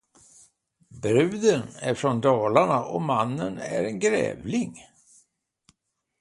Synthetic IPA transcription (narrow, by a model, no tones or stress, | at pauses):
bɾʉ̟ːd̪ənæɾfɾɔnd̪ɑːlaɳaʔɔmanːənæɾɛnɡɾɛ̰ːvlɪŋ